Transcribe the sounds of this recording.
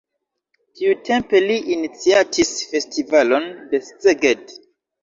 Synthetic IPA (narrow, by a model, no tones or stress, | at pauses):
tʰiutʰe̞mpe̞liʔinit͡siatʰisfe̞stivalo̞nde̞st͡seɡed